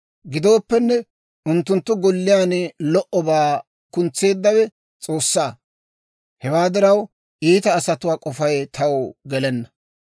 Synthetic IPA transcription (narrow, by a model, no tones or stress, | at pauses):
ɡɪd̪o̞ːpːɛnːɛ | ʔʊnt̪ːʊnt̪ːʊɡɔlːɪjaːnlɔʔɔbaː | kʊnt͡sːe̞ːd̪ːɐwɛ | t͡sʼo̞ːsːaː | hɛwaːd̪ɪɾɐw | ʔiːt̪ɐːsɐt̪ʊwaːkʼɔfɐjt̪ʰɐwɡɛlɛnːɐ